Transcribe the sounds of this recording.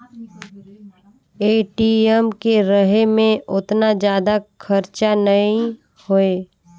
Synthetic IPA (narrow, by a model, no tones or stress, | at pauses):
eːʈiɛmkeɾəɦemẽʔʊt̪nad͡ʒjaːd̪akʰəɾt͡ʃanəĩ | hoeː